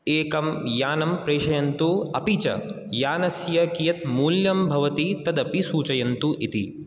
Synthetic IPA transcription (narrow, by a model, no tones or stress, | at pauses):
eːkɐmjaːnɐmpɾeːʃɐjɐnt̪uɐpit͡ʃɐ̰ | jaːnɐsjɐkijɐt̪muːljɐmbʱɐʋɐt̪it̪ɐd̪ɐpisuːt͡ʃɐjɐnt̪uʔit̪ḭ